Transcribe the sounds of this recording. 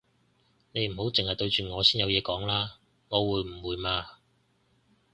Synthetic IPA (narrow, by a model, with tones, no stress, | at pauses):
ne˨˧jm̩˨˩ho˨˥wt͡sɪ˨ŋhɐ˨jt̪ɵ˧ɥt͡ʃyː˨˩ŋɔː˨˧siː˥njɐ˨˧wjɛː˨˧kɔː˨˥ŋlaː˥ | ŋɔː˨˧wuː˨˧jm̩˨˩wuː˨˧jmaː˧